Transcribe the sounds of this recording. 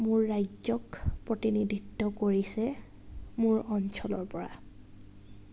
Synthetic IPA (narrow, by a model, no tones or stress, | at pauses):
mʊɹːajzɔkpɹotinidʱitːɔkoɹisɛ | mʊɹɔnsʰɔlɔɹpɔɹa̰